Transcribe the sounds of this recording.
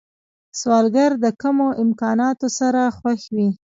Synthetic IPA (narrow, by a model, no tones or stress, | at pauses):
swɑlɡaɾd̪əkamoʔɪmkɑnɑt̪osaɾaxwaxwi